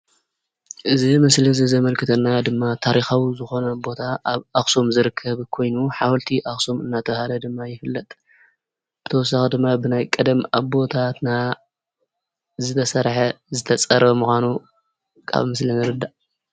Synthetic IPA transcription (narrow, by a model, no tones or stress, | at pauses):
ʔɨzimɐslizɨzɐmɐlkʰɨt̪ʰɐnːad̪ɨmːat̪ʰaɾixawizɨxo̞nɐbo̞t̪ʰaβaxsomzɨɾɨkʰːɐβkʰo̞jnuħawɐlt̪ʰiʔaxso̞mɨnːat̪ʰɐβhalɐd̪ɨmːajɪfɨlːɐt̪ʼ | bɨt̪ʰɐwɔs̬ːaxɨd̪ɨmːabɨnajkʼɨd̪ɐmaβbo̞t̪ʰat̪na | zɨt̪ʰɐsɐɾħɐzɨt̪ʰɐt͡sʼɐɾɐmuxʷanu | kʰa̰βmɨslinɨɾɨd̪aʔ